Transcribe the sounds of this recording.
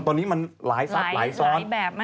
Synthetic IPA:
t̪ɔː˧niː˦˥ma˧nlaː˨˩˦jsa˦˩p̪̚laː˩˦jsɔː˦˥nɛː˨˩

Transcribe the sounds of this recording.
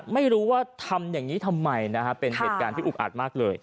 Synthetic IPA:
ma˥˩jɾuː˦˥waː˥˩t̪ʰa˧mjaː˨˩ŋiː˦˥t̪ʰa˧mːa˧jna˦˥kʰa˦˥pe˧nɦeː˨˧t̪̚kaː˧t̪ʰiː˥ʔk̚ʔa̰ː˨˩t̪̚maː˥˩k̚lɤː˧j

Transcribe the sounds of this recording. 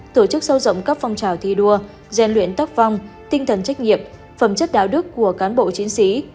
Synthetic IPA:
t̪o˧˩t͡ɕɨ˦˥k̚sə˧wzə̰˧˨wŋ͡mkə˦˥p̚fɔ˧wŋ͡mt͡ɕaː˨˩wt̪ʰi˧ɗu˧ə | zɛ˧nlwḭ˧˨ənt̪aː˦˥p̚va˧wŋ͡mt̪ï˧ŋ̟t̪ʰə˨˩nt͡ɕa˦˥jk̟̚ŋi˨˩əp̚ | fə˧˩mt͡ɕə˦˥t̚ɗa̰ː˧˩wɗɨ˦˥əkːu˧˩əkaː˨˦nɓo̰˧˨t͡ɕi˨˦əŋsi˨˦

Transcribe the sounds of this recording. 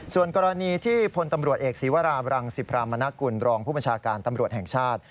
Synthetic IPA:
su˨˩ənkɔː˧ɾa˧niː˧t̪ʰiː˥˩pʰo˧nt̪a˧mɾu˨˩ət̪̚ʔeː˨˩k̚siː˩˦wa˦˥ɾaː˧ɾa˧ŋsi˨˩pʰɾaː˧mːa˧na˦˥ku˧nɾɔː˧ŋpʰuː˥˩bə˧nt͡ɕʰaː˧kaː˧nt̪a˧mɾu˨˩ət̪̚hɛ˨˩ŋt͡ɕʰaː˥˩t̪̚

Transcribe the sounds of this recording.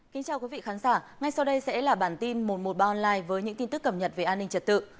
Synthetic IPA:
ki˨˦ŋ̟t͡ɕaː˧wkwi˨˦vḭ˧˨xaː˨˦nzaː˧˩ | ŋa˧jsa˧wɗə˧jsɛ̰˧˥laː˨˩ɓaː˧˩nt̪i˧nmo˨˩t̚mo˨˩ɓaː˧ʔɔ˧nlaː˧jvəː˨˦jɲɨ̰˧˥ŋt̪i˧nt̪ɨ˦˥kːə˧˩p̚ɲə˨˩t̚ve˨˩ʔaː˧nːï˧ŋt͡ɕə˨˩t̚t̪ɨ̰˧˨

